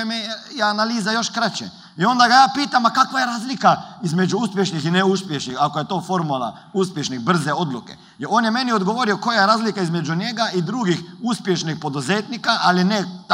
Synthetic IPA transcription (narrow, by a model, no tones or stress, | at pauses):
mejanaliːzajo̞ʃkɾat͡ʃḛ | io̞nd̪aɡajaːpiːt̪amakakʋajeɾaːzlikaizmed͡ʒuuspʲjeʃnixineuspjeʃnixakojet̪oːfoɾmula̰ | uspjeʃnixbr̩zeo̞d̪lukḛ | oːnjemeniod̪ɡoʋoɾioko̞jajeɾaːzlikaizmed͡ʒuɲeɡaʔid̪ɾuːɡixuspjeʃnixpo̞d̪uzeːt̪nikaʔalinɛt̪